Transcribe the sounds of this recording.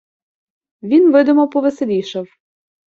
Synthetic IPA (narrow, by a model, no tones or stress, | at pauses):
ʋʲinʋɪd̪ʊmɔpɔʋeselʲijʃɐw